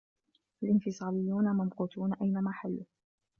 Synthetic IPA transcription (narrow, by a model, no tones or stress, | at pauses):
ʔalʔɪnfɪsˤɑːlɪjːuːnamamquːt̪uːnaʔajnamaħalːʊ